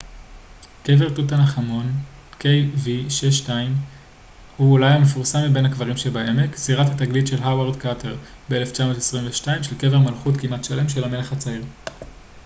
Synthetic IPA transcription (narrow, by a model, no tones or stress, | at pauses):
ke̞ve̞ʁt̪ut̬anaχamo̞n | kejviʃeʃtaim | huulajamefuʁsamibe̞nakvaʁimʃebae̞mekziʁathataɡlitʃe̞lɦaweʁdkatʰeʁ | beeleft͡ʃamo̞tesʁimveʃtaimʃelke̞ve̞ʁmalχutkimatʃale̞mʃe̞lame̞leχat͡saiʁ